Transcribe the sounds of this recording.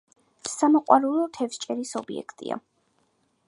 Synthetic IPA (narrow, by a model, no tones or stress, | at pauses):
samɔqʼwaɾulˠɔt̪ʰɛvʃt͡ʃʼɛɾisɔbiɛ̰kʰt̪ʼḭa̰